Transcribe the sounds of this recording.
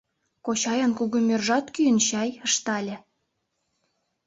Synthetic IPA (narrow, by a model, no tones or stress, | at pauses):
kot͡ɕɑjɑnkuɣumʲørʒɑt̪kyjənɕɑjəʃt̪ɑlʲĕ